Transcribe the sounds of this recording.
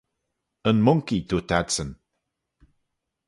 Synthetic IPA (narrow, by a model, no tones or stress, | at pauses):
ənmʊŋkit̪ʰuːt̪ʰadsən